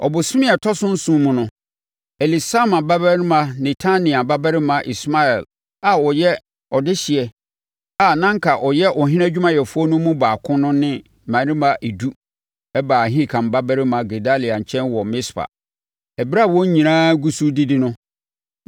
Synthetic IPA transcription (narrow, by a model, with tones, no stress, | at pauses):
ɔ̰˨bʊ˨sɪ˦mɪ̃˦ɛ˨tʰɔ˦sʊ̃˦n̩˦sũ˦mʊ̃˨nʊ̃˦ | ɛ˨li˨sa˦mã˨ba˦bɛ˦nɪ̃˦mã˨nɛ˨tʰa˦nĩ˨a˨ba˦bɛ˦ɾɪ˦mã˨ʔi˨sma˦ɛ˨l | a˨ɔ˨jɛ˦ | ɔ˨dɪ˦ɕi˨ɛ˨ | a˨nã˦ŋ˦kʰa˨ʔɔ˨jɛ˦ʔɔ˨ɦɪ̃˦nã˦d͡ʑᶣu˦mã˦jɛ˨fʊ˦ɔ˦nʊ̃˦mũ˦baː˨kʰʊ̃˦nʊ̃˦nɪ̃˦˨ | mã˨˦ĩ˦mã˨ʔe˨du˦ | ɛ˦baː˨ɦĩ˦˨kʰã˨m˨ba˦bɛ˦ɾɪ˦mã˨ɡe˨da˦li˨a˨ɲ̩˨t͡ɕʰɛ̃˦nwɔ˨mɪ̃˦spʰa̰˨ | ɛ˨bi˦ɾa˦˨wɔ̃˦ɲ˦ɲĩ˨ãː˦ɡu˦su˦di˦dɪ˦nʊ̃˦